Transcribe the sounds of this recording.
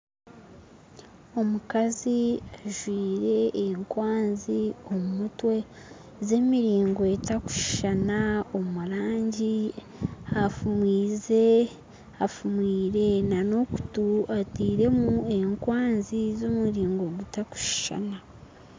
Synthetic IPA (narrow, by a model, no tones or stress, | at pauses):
o̞mukaziaʒwiːɾe̞ːŋkwaːnziomumutwe̞ | ze̞ːmiɾiːŋɡo̞etaku̥ʃi̥ʃanaomuɾaːɲɟi | afumwiːze | afumwiːɾe̞nano̞ku̥tuatiːɾe̞mueŋkwaːnzizomuɾiːŋɡo̞ɡutaku̥ʃi̥ʃa̰na